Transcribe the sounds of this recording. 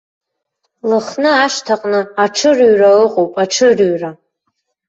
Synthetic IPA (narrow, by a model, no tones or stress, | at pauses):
lɨχnɨaʃtʰaqʼnɨaʈ͡ʂʰɨrɥraɨqʼowpʼaʈ͡ʂʰɨrɥra